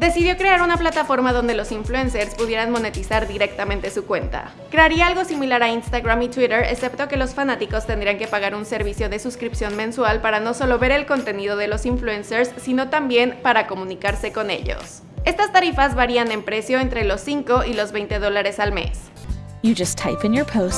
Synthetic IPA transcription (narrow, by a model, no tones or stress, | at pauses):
d̪e̞siðjo̞kɾe̞aɾunaplat̪afo̞ɾmaðo̞nd̪e̞lo̞siɱfluenseɾspuðje̞ɾanmo̞ne̞t̪isaɾðiɾe̞k̚t̪amẽnt̪e̞sukwe̞̰nt̪a̰ | kɾe̞aɾiaalɣo̞similaɾainst̪aɣɾamit̪wiɾeɾḛse̞pt̪o̞ke̞lo̞sfanat̪iko̞st̪e̞nd̪ɾiaŋke̞paɣ̞aɾunse̞ɾβisjo̞ðe̞suskɾipsjo̞nmẽnswalpaɾano̞so̞lo̞βe̞ɾe̞lko̞nt̪e̞niðo̞ð̞e̞lo̞siɱfluenseɾsːino̞t̪ambje̞npaɾako̞mũnikaɾse̞ko̞ne̞̰ʝo̰s | e̞st̪ast̪aɾifazβaɾiane̞mpɾe̞sjo̞e̞nt̪ɾe̞lo̞sːiŋko̞ilo̞zβe̞jnt̪e̞ð̞o̞laɾe̞salme̞̰s | jɨd͡ʒʌstʰːaɪpɨ̃njə˞pʰoʊs